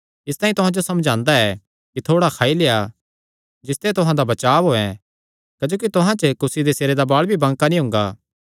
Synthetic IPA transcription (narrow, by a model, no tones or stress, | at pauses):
ɪst̪ãːĩt̪ʊɦãd͡ʒosɐmd͡ʒãːnd̪aɛ | kit̪ʰoːɽakʰaːileːa | d͡ʒɪst̪et̪ʊɦãd̪abɐt͡ʃaːʋɦoːɛ̃ | kɐd͡ʒoːk̬it̪ʊɦãt͡ʃəkʊsid̪eseːɾed̪abaːɭbʱibɐ̃ŋɡkanĩɦʊ̃ŋɡaː